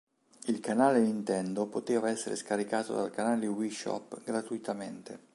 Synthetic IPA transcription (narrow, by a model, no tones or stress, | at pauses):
ilkanaːlenint̪ɛnd̪opot̪eːvaɛsːeɾḛskaɾikaːt̪o̰d̪a̰lkanaːlewiʃɔ̰pːɡɾat̪uit̪amḛnt̪ḛ